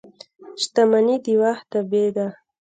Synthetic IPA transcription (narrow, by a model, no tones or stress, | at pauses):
ʃt̪amanid̪iwaht̪abed̪a